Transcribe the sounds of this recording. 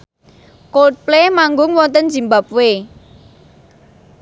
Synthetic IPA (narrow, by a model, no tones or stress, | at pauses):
kot̪̚plemaŋɡʊŋwɔnt̪ənd͡ʒi̤mbap̚we